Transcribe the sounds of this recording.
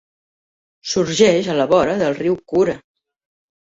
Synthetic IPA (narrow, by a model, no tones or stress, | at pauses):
suɾʒɛʃələβɔɾəðəlˠriwkuɾə